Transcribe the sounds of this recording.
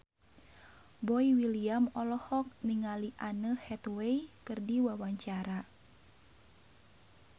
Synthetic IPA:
bɔiwiliamɔlɔhɔk̚niŋaliʔanəhɛt̪wejkɨrdiwawaɲt͡ʃaɾa

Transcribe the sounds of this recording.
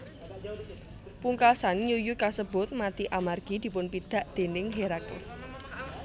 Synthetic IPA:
puŋkasanjujukasəbʊ̤t̪̚mat̪iʔamarɡ̥id̪̥i̤pʊnpid̪̥ä̤ʔd̪̥e̤nɪŋɦeɾakɪ̰s

